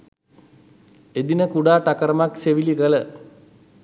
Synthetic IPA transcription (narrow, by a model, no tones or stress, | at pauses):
ed̪inəkuɖaːʈakɐɾɐmakseʋilikɐlə